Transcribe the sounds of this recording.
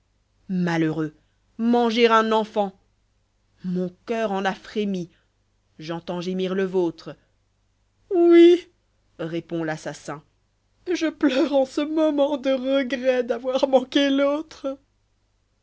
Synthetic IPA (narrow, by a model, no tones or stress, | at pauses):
maløʁø | mɑ̃ʒeʁɛ̃nɑ̃fɑ̃ | mɔ̃kʲœʁɑ̃nafχemi | ʒɑ̃t̪ɑ̃ʒemiʁləvot̪χə | wi | ʁepɔ̃lasasɛ̃ | ʒəplœʁɑ̃səmɔmɑ̃d̪əʁəɡʁɛd̪avwaʁmɑ̃kelot̪χ